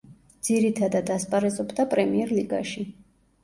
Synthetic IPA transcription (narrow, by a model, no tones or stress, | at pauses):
d̪z̥iɾit̪ʰad̪ad̪aspʼaɾɛzɔbd̪apʼɾɛmiɛɾliɡa̰ʃi